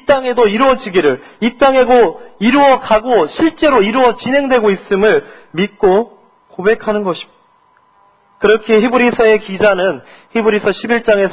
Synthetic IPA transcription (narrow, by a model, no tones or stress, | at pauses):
t͈aŋe̞doiɾuʌd͡ʑiɡiɾɯɭit͈aŋe̞ɡoiɾuʌkaɡoɕʰiɭt͡ɕ͈e̞ɾoiɾuwʌt͡ɕinɦe̞ŋdwe̞ɡois͈ɯmɯɭ | mit̚k͈o | kobe̞kʰanɯnɡʌɕʰi̥ | kɯɾʌkʰiçibɯɾisʰʌe̞kid͡ʑanɯn | çibɯɾisʰʌɕʰibiɭt͡ɕ͈aŋe̞s